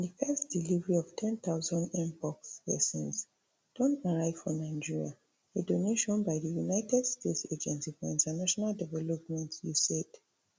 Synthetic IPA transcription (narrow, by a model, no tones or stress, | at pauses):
ĩndəfɛstd̥ilivɛɹiɔv̥tʰɛ̃nt̪aʊzɔ̃ndɛ̃mpɔkspɛ̰sɔ̃ns | d̥ɔ̃naɹaɪv̥fɹɔ̃nãɪd͡ʒiɹia | edoneʃɔ̃nbaɪðəjunaɪtʰɛdstʰetsed͡ʒɛ̃nsifɔĩntanaʃɔnaldɛvɛlɔpmɛ̃ntjusɛt